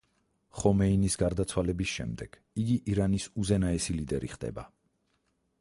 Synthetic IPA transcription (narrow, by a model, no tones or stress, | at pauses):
χɔmɛinisɡaɾd̪at̪sʰwalɛbisʃɛ̰md̪ɛɡ̥ | iɡiʔiɾanisuzɛnaɛsilid̪ɛɾiχd̪ɛ̰ba̰